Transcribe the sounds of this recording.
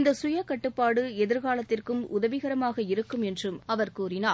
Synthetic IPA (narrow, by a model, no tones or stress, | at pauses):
nd̪ɐsʊjɐkɐʈːɯpːaːɽɯɛðɪɾɣaːlɐt̪ːɪrkɯmʊðɐʋɪɣɐɾɐmaːɣɐɪɾɯkːɯmɛndrɯmɐʋɐɾkuːrɪnaː